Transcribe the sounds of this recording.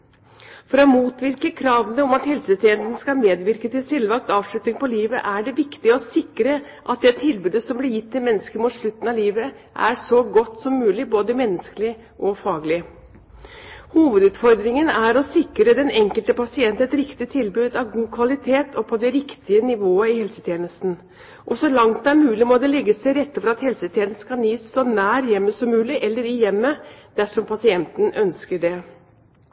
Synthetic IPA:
fɔɾɔmuːt̪ʋɪɾkəkʰɾɑːʋənəɔmɑt̪hɛlsət̪ʰɪɛnt̪nəskɑlmeːd̪ʋɪɾkət̪ɪlsɛlːʋɑk̚t̪ɑːʋʂlʉt̪nɪŋpɔliːʋə̰ʔæɖɛʋɪkt̪ɪəɔsɪkɾə | ʔɑt̪̚d̪ɛt̪ʰɪlbʉːd̪əsɔmblɪɾjɪt̪ʰːɪlmɛnːəskəɾmuːt̪ʂɭʉt̪ːn̩ɑʋliːʋə | ʔæ̰ɾʂɔɡɔt̪ːsɔmːʉːlɪboːd̪əmɛnːəskəlɪ | ʔɔfɑːɡlɪ | huːʋəd̪ʉːt̪fɔɾd̪ɾɪŋənæɾɔsɪkɾəd̪ɛnɛŋkəlt̪əpɑsɪɛnt̪ɛt̪ɾɪkt̪ɪt̪ʰɪlbʉːd̪ɑʋɡuːkʰʋɑlɪt̪ʰeːt̪ʰɔpʰɔd̪ɛɾɪkt̪ʰɪənɪʋoːəɪhɛlsət̪ʰjeːnəst̪n̩ | ʔɔsɔlɑŋt̪̚d̪æɾmʉːlɪmɔd̪ɛlɛɡːəsæɪɾɛt̪ːfɔɾɑt̪hɛlsət̪ʰjeːnəskʰɑniːsːɔnæːɾjɛmːəsɔmːʉːlɪʔɛlːəɾɪjɛmːəd̪̥æʂɔmpʰɑsɪɛnt̪n̩œnskəɖɛ

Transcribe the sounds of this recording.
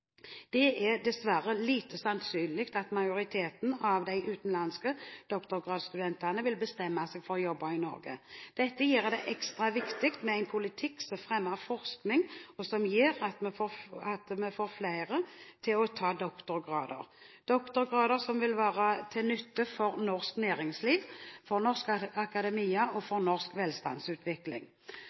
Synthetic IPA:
d̪̥ɛɛd̪ɛsʋæɾəliːt̪əsɑnsyːnlɪkt̪ɑt̪mɑjʊɾɪt̪ʰeːt̪n̩ɑʋd̪æɪʔʉːt̪n̩lɑnskəd̪̥ɔkt̪ʊɾɡʁɑːd̪st̪ʉd̪ɛnt̪anəʋɪlbəst̪ɛmːɑsɛːɡfɔʁjɔbːɑɪnɔ̰ɾɡə̰d̪̥ɛt̪ːəjiːɾd̪ɛʔɛkst̪ɾɑʋɪkt̪ɪkt̪mɛæɪnpʰʊlɪt̪ʰɪkːsɔmfɾɛmːəɾfɔʁsknɪŋɔsɔmjiːɾɑt̪mɛfoːɑt̪mɛfoːɾflæɪɾət̪ʰɪlɔt̪ʰɑːd̪ɔkt̪ʊɾɡʁɑːd̪ə̰ɾd̪̥ɔkt̪ʊɾɡʁɑːd̪əɾsɔmʋɪlʋæːɾət̪ʰɪnʏt̪ːəfɔɾnɔɾsknæːɾɪŋsliːʋfɔɾnɔʁskɑkɑd̪ɛmiːəʔɔfɔɾnɔʁskʋɛːlst̪ɑ̰nsʉːt̪ʰʋɪklɪ̰ŋ

